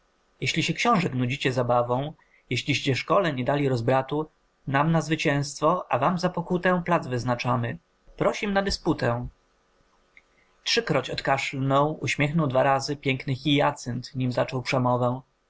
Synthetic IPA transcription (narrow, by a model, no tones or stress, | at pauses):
jɛɕlʲiɕɛkɕɔ̃w̃ʐɛknud͡ʑit͡ɕɛzabavɔ̃w̃ | jeɕlʲiɕt͡ɕɛʂkɔlɛɲɛd̪alʲiɾɔzbɾat̪u | namnazvɘt͡ɕɛ̃w̃st̪fɔʔa̰vamzapɔkut̪ɛ̃plad̪zvɘznat͡ʂamɘ | pɾɔɕimnad̪ɛsput̪ɛ | tʂɘkɾɔt͡ɕɔt̪kaʂlnɔ̃w̃uɕmʲjɛxnɔwd̪vaɾazɘpʲjɛŋknɘxʲijat̪sɛnt̪ɲimzat͡ʂɔwpʂɛmɔvɛ̃